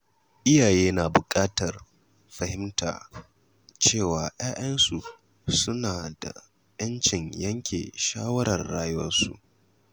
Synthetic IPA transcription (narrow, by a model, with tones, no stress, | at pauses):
ʔɪ˦jaː˨jeː˦naː˨bʊ˨kʼaː˦tɐ˨r | ɸɐ˨hɪ˦mta̰ː˨ | t͡ʃeː˦˨waː˨j̰aː˦ʔɐ˦nsu˨ | sʊ˦naː˨da̰˨ | jɐ˦nt͡ʃɪ˨ŋjɐ˦ŋkʲʰḛː˨ʃaː˦wɐ˦ɾɐ˨rːaː˦jʊ˦wɐ̰˦nsṵ˨ʔ